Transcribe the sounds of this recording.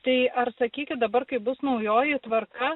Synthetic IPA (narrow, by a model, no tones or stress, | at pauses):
t̪ɐɪʔɐɾsɐkʲiːkʲɪt̪̚d̪ɐbɐɾkɐɪbʊsnɐʊjoːjɪt̪ʋɐɾkɐ